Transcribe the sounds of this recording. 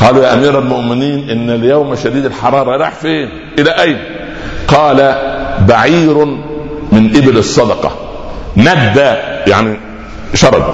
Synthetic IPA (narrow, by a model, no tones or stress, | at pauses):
qɑːlujaːʔæmiːɾælmʊʔmɪniːnʔɪnːɪljawmæʃæd̪iːd̪ɪlħɑɾˤɑːɾˤɑɾˤɑ̰ħfeːn | ʔɪlæʔæjn | qɑːlæbaʕiːɾ | mɪnʔɪbɪlɨsˤːɑd̪ɑqɑ̰ | næɡd̪æjaʕni | ʃɑɾˤɑ̰b̪